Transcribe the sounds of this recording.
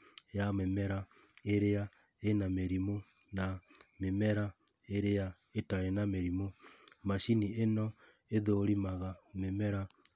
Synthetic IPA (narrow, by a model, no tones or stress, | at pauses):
jamemɛɾa | eɾea | enameɾimo | namemɛɾa | eɾeaetaenameɾimomaʃinienɔ | eðoɾimaɣamemɛɾa